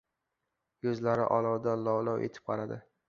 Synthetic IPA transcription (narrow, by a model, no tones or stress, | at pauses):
jɵzlaɾɪ̰ʔɒlˠɒwd̪alɒwlɒwʔet̪ʰɪ̥p̚qʰɑɾad̪ɪ